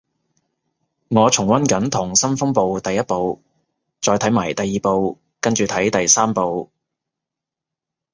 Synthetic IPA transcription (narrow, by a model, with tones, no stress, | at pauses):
ŋɔː˨˧t͡sʰʊ˨˩ŋwɐ˥nkɐ˨˥nt̪ʰʊ˨˩ŋsɐ˥nfʊ˥ŋpo˨˧wt̪ɐ˨jːɐ˥t̚po˨˧w | t͡sɔː˧jt̪ʰɐ˨˥jmaː˨˩jt̪ɐ˨jːiː˨po˧w | kɐ˥nt͡ʃyː˨˧t̪ʰɐ˨˥jt̪ɐ˨jsaː˥mpo˨˧w